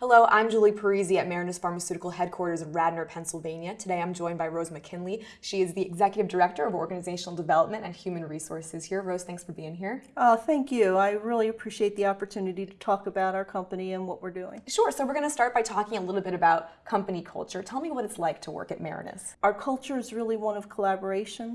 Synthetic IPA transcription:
hɛloʊʔã̰ɪ̃md͡ʒulˠipʰə˞iziɨt̚mɛɹɨnɨsfɑɹmɨsʉɾɨkl̩ˠɦɛd̚kʰwɔɹɾə˞zʌvɹædⁿnə˞pʰɛ̃nsl̩ˠvẽɪ̃njɨtʰɨdeɪãɪ̃md͡ʒɔ̃ɪ̃nbaɪɹoʊzmɨkʰɪ̃nli | ʃiɨzðiɨɡzɛkjɨɾɨvdə˞ɛk̚tə˞ʌvɔ̰ɹɡɨnɨzeɪʃn̩l̩ˠdəvɛlˠəp̚mɨ̃ntɨ̃nhjʉmɨ̃nɹisɔ̰ɹsɨz̥hiɹɹoʊz̥θæ̃ŋksfə˞biɪ̃ŋɦiɹoθæ̃ŋkjʉaɪɹɪlˠiɨpʰɹ̥iʃieɪt̪̚ðiɑpə˞tʰʉnɨɾiɾɨtʰɔkəbaʊɾaʊə˞kʰʌ̃mpɨniɨ̃nwʌʔ̚wɨɹdʉɪ̰̃ŋʃʊɹsoʊwɨɹɡʌñɨstɑɹt̚b̥aɪtʰɔkɪ̃ŋəlɪɾl̩ˠbɪɾɨbaʊt̚kʰʌ̃mpɨnikʰʌ̰lˠt͡ʃə˞tʰɛlˠmiwʌɾɨtslaɪk̚tʰəwɜ̰˞kɨt̚mɛ̰ɹɨ̰nɨ̰s | aə˞kʰʌlˠt͡ʃə˞ɨzɹɪlˠiwʌ̃nʌv̥kʰəlæbə˞eɪʃɨ̃n

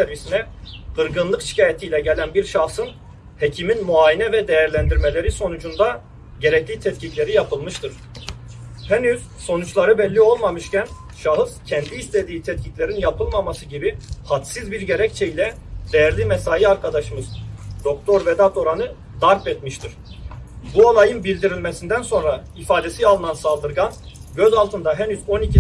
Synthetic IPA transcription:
sɛɾvisinɛ | qɯɾɡɯnlˠɯkʃi̥caːjet̪ʰijlʲɛɟelʲænbiɾʃaxsɯn | hecʰiminmuaːjinɛvɛd̪ejæɾlʲænd̪iɾme̞lʲe̞ɾiso̞nud͡ʒund̪a | ɟe̞ɾɛclʲiːt̪ʰɛt̪cʰiclʲe̞ɾijapʰɯlˠmɯʃt̪ʰɯɾ̥ | hɛnyz̥so̞nut͡ʃlˠaɾɯbɛlʲːio̞lˠmamɯʃcæn | ʃaɦɯzcʰɛnd̪iːst̪ʰed̪iːt̪ʰɛt̪̚cʰiclʲe̞ɾinjapʰɯlˠmamasɯɟibihat̪sizbiɾɟe̞ɾɛct͡ʃʰejilʲɛ | d̪̥ejæɾlʲimɛsaːjiaɾkʰad̪aʃɯmɯzd̪̥o̞k̚t̪ʰo̞ɾvɛd̪at̪o̞ɾanɯ | d̪aɾpɛt̪miʃt̪ʰiɾ̥ | bualˠajɯnbilʲd̪iɾilʲmesind̪ænso̞nɾa | ifaːd̪e̞sialˠɯnansalˠd̪ɯɾɡan | ɟøzalˠt̪ʰɯnd̪aɦɛnyzo̞nicʰi

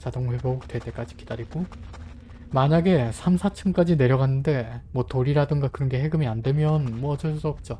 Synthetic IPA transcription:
t͡ɕadoŋɸwe̞bʌok̚twet͈e̞k͈ad͡ʑikid̥aɾiɡo | maɲaɡe̞sʰamsʰat͡ɕʰɯmk͈ad͡ʑine̞ɾjʌɡanːɯnde̞mwʌtoɾiɾadɯŋɡakɯɾʌnɡe̞ɦe̞ɡɯmiandwe̞mjʌnmwʌt͡ɕʌs͈ʌp̚t͡ɕ͈o

